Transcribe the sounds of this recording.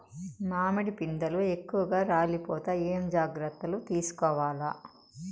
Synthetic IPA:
maːmɐɽipind̪ɐluekːuʋɐɡaːɾaːlipɔːt̪ɐeːmd͡ʒaːɡɾɐt̪ːɐlut̪iːsu̥kɔːʋaːlɐ

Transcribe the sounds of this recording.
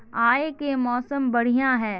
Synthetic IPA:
aːekemɔːsəmbɐɽ̤ijãɦɛː

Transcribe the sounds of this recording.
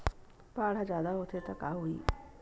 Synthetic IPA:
paːɽ̤ad͡ʒjaːd̪aɦot̪ʰet̪əkaɦoḭː

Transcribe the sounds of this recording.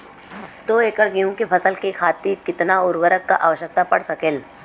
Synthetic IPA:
t̪oːeːkəɾɡijũkipʰɐsəlkekʰaːt̪ːiɾkɪt̪naʊɾwəɾəkːa̰ʔaːʋəʃək̚t̪apɐ̰ɽsɐkeːl

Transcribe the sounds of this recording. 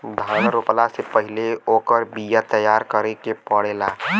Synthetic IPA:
d̪ʱãːnɾoplasepəɦɪleoːkəɾbijat̪əjaːɾkəɾekepɔɽeːla

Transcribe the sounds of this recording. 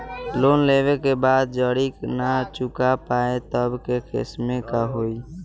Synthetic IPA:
loːnleʋekebaːd̪̚d͡ʒəɽiknat͡ʃʊkapaːet̪əbkekʰɪ̰smẽkaɦoːi

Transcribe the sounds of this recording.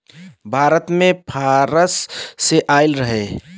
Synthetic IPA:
bʱaːɾət̪mẽpʰaːɾəsːeʔaːɪlɾəɦe

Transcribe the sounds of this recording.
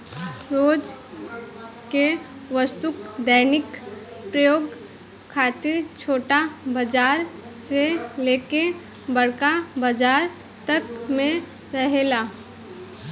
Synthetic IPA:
ɾoːd͡ʒ | ke | ʋəst̪uk | d̪əːnɪk | pɾəjoːɡ | kʰaːt̪ɪɾt͡ʃʰoːʈabəd͡ʒaːɾ | seleːke | bəɽ̤kabəd͡ʒaːɾ | t̪ək | mẽ | ɾəɦeːlaː

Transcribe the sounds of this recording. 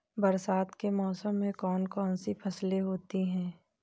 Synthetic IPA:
bɐɾsaːt̪kemɔːsəmːẽkɔːnkɔːnsipʰɐsleɦoːt̪iɦɛ̃ː

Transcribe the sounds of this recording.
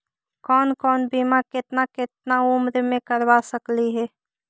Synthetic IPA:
kɔːnkɔːnbiːmakɪt̪nakɪt̪̚nauːmɾmẽkəɾwasɐkliɦɛː

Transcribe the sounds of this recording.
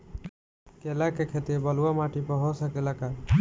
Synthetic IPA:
kelakekʰet̪ibəluwamaʈipəɦɔsakelaka

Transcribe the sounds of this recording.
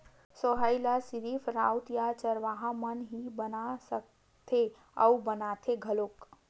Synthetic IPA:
soɦajlasiɾifʰɾaut̪jat͡ʃəɾʋaɦãmənɦibənasək̚ | t̪ʰe | ə̰wbənat̪ʰeɡʱəlok

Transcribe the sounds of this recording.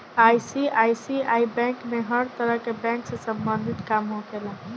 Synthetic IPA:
ajsiajsiaibɛ̃kmeɦəɾt̪əɾəɦkebɛ̃ŋksə̃səmbənd̪ʱit̪kamɦokelə̃

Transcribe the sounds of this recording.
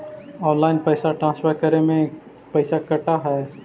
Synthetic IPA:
ɔːnlaːɪnpəːsaʈɾãːnsfʰeːɾkəɾẽmẽ | pɐɪsakɐʈaɦɛː

